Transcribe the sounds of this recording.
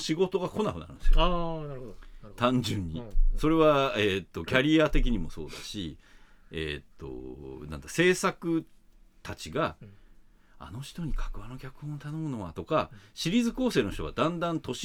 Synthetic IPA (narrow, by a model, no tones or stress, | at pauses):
ɕiɡo̞t̪o̞ɡako̞nakɯna̰ɾɯ̰̃nsḭj̰ | t̪ãɲd͡ʑɨ̃ɲ̟ːiso̞ɾe̞βaet̪ːo̞kʲaɾʲiat̪e̞kʲiɲ̟imo̞so̞̰ːd̪a̰ɕi | ḛt̪ːo̞̰nã̰nd̪ase̞ːsakɯ̟ | t̪ʰat͡ɕiɡa | a̰no̞ç̥t̪o̞ɲ̟ikʰḁkɯ̟βano̞kʲakɯ̟̥hõot̪anõ̞mɯ̟no̞βa̰t̪o̞kaɕiɾʲiːzɨko̞ːse̞ːno̞ç̥t̪o̞ad̪ãnd̪ãnt̪o̞ɕ